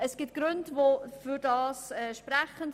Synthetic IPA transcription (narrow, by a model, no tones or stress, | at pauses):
ɛsɡ̥ɪt̚ɡ̥ɾøndvofyɾdɑːsɛʃpɾɛχənt